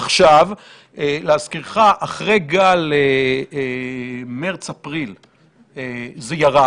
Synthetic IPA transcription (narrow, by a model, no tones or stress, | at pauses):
aχʃav | eleaskiʁχaʔaχʁejɡale | meʁt͡sapʁil | ezejaʁa